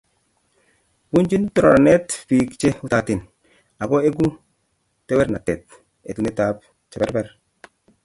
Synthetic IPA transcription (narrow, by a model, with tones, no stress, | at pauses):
wu˦nd͡ʒi˦ntɔ˦ɾɔ˨ɾa˨nɛ˦tpi˨kt͡ʃe˦u˦ta˨tɪ˨n | a˨ɡɔ˦e˦ɡu˦ | tɛ˦wɛ˦ɾna˨tɛ˨t̚ | e˨tu˨ne˦ta˦p̚ | t͡ʃɛ˨bɛ˦ɾbɛ˦ɾ